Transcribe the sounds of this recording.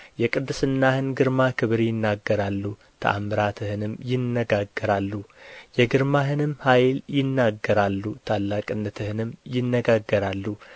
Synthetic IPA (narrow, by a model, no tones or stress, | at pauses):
jɛkʼɨd̪ːɨsɨnːahɨnɡɨɾmakʰɨβɾjɪnːaɡːəɾalːu | t̪ʰə̰ʔa̰mɨɾat̪ʰɨhɨnɨmjɪnːəɡaɡːəɾalːujɛɡɨɾmaɦɨnɨmhajljɪnːaɡːəɾalːut̪ʰalːakʼɨnːət̪ʰɨhɨnɨmjɪnːəɡaɡːəɾalːu